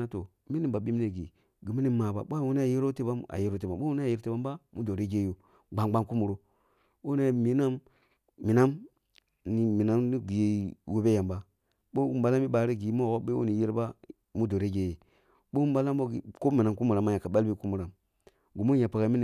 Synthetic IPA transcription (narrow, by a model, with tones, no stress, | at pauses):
na˦to˨ | mi˦ni˨ba˨ɓi˦mi˦ne˨ɡḭ˨ | ɡi˨mi˦ni˦ma˨ba̰˨ɓʷa˦˨wo˦ne˦a˨ji˦ɾo˦te˦ba˦ma̰˨je˦ɾo˦te˨ba˨˦o˦u˦e˦a˨ji˦ɾte˦ba˦mba˦mu˦do˨ɾe˦ɡe˦jo˨ | ɡ͡ba˨ŋɡ͡ba˦nku˦mu˨ɾo˨ | wo˦ne˦˨mi˨˦na˦mː | i˨na˦m | ni˨mi˨na˦mi˦ɡi˨jwo˦be˦ja˨mba˦ | ɓo˦u˦mba˦la˦mi˦ɓa˨ɾi˦ɡi˨˦mo˦˨wo˦ɓe˦o̰˦ni˨ji˦ɾba˦ | mu˦do˨ɾe˦ɡe˦je˨ | ɓo˦u˦mba˦la˦mbo˦ɡi˨ko˦mi˨na˨mku˦mu˨ɾa˨ma˦ja˨ka˨ɓa˦lbi˦ku˦mu˨ɾa˨m | ɡu˨mu˦ja˨pa˨ɡa˨˦i˦ni˨